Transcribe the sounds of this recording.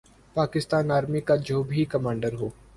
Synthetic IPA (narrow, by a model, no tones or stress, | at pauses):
paːkɪst̪aːnaːɾmikad͡ʒoːbʱikɐmãːɳɖəɾɦoː